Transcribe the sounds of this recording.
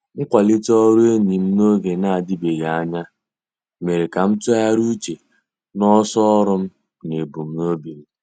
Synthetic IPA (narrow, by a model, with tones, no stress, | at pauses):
ŋ̩˦kʷa˨lɪ˦tɔ˦ɾu˦e˦ɲi˨m̩˦no˦ɡe˨na˦˨a˨dɪ˦be˨ɣa˨a˦ɲa˦ | me˨ɾe˨ka˨m̩˦tʊ˦a˦ɾu˦t͡ʃe˨ | nɔ˦sɔ˦ɾʊ˦m̩˦ | ne˨bu˨m̩˦no˦bi˨ɾ